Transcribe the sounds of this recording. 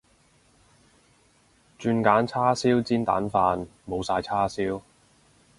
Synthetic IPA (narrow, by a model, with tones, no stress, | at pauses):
t͡ʃyː˧nkaː˨˥nt͡sʰaː˥siː˥wt͡siː˥nt̪a̰ː˨˥nfaː˧nmo˨˧wsaː˧jt͡sʰaː˥siː˥w